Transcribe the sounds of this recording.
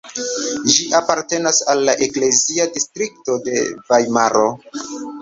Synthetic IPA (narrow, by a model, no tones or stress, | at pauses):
ʒiʔapaɾte̞nasalːaʔe̞kle̞ziadistɾik̚to̞de̞vajmaɾo̞